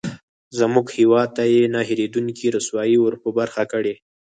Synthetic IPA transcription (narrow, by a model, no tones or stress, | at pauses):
zəmuɡhiwɑd̪̚t̪ajenaɦiɾed̪uŋkiɾəswɑjiwəɾpəbaɾxakəɽe